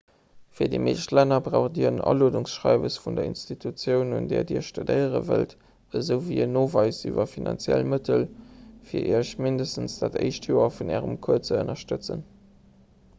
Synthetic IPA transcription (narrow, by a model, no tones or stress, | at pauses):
fiːɐdimeːʃtlænɐbʁaʊχdiːɐʁənʔɑ̰loːduŋsʃʁɑɪbəsfundɐḭnstitʰut͡sjəʊnundɛːɐdiːɐʃtudəɪəʁə̰vəlt | əzəʊviːənoːvɑɪsyvɐfinɑ̰nt͡sjælmətʰəlfiːɐʔiːɐɕmindəstən̩sd̥aːtəɪʃtʰjoːɐfunæːʁəmkʰuɐt͡səənɐʃtət͡sən